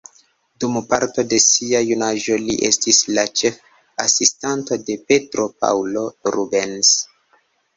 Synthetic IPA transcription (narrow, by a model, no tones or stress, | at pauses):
dumpaɾto̞de̞siajunaʒo̞liʔestislat͡ʃe̞f | asistanto̞de̞pe̞tɾo̞p̚a̰wlo̞ɾubens